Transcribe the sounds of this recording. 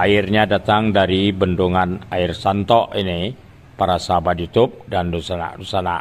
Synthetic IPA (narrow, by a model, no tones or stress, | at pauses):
ʔairɲadat̪aŋdaɾibənduŋanairsant̪ɔʔini | paɾasaɦabat̪̚jut̪ʊp̚dandosana̰dosana̰